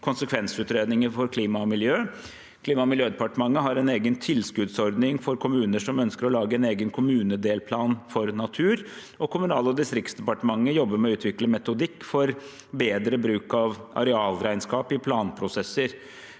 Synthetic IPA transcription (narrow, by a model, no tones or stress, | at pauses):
kʰʊnsəkʰʋɛnsʉːt̪ɾeːd̪nɪŋəɾfɔɾkʰliːmɑmɪljøː | kʰliːmɑmɪljøːd̪ɛpɑʈəmɑŋːəɦɑɾɛneːɡənt̪ʰɪlskʉd̪sɔɾd̪nɪŋfɔɾkʰʊmʉːnəʂɔmœnskəɾɔlɑːɡəɛneːɡənkʰʊmʉːnəd̪eːlpʰlɑːnfɔɾnɑt̪ʰʉːɾ | ɔkʰʊmʉnɑːləɔd̪ɪst̪ɾɪk̚t̪sd̪ɛpɑʈəmɑŋːəjɔbːəɾmɛɔʉːt̪ʰʋɪkləmɛt̪ʊd̪ɪkːfɔɾ | beːd̪ɾəbɾʉːkɑʋʔɑ̰ɾɛɑːlɾæɪnskɑːpɪpʰlɑːnpʰɾʊsɛsːəɾ